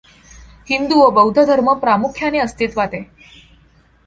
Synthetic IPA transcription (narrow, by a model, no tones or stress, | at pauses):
hind̪uʋəbəwd̪ʱəd̪ʱəɾməpɾamukʰjaneəst̪it̪ʋat̪e